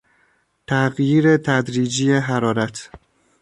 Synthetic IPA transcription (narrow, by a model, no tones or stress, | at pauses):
t̪ʰæɣjiːɾe̞t̪ʰæd̪ɾiːd͡ʒijeɦæɾɒːɾæt̪ʰ